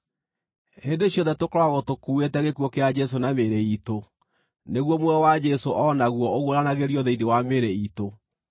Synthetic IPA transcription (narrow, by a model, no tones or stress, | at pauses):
hendeɕjɔnðɛtokoɾɔwaɣotokuwetɛɣekuɔkead͡ʒɛs̬onameɾeito | neɣwɔmwɛɔwad͡ʒɛsoʔɔnaɣwɔoɣwoɾanaɣeɾijɔðeidewameɾeito